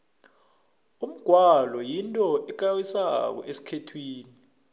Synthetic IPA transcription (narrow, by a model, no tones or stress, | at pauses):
um̩ɡ̥ʱwalɔjintʼɔʔɛk̬awisak̬ɔ̰ʔesi̥kʰetʰwiːni